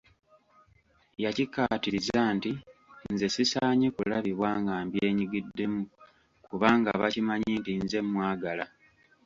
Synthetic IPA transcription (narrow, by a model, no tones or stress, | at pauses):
jacikːatiɾizaːntinze̞sisaːɲekulaβiβwaːŋɡaːmbje̞ːɲiɡidːe̞mu | kuβaːŋɡa̰βa̰cimaɲiːntinze̞mːwaːɡala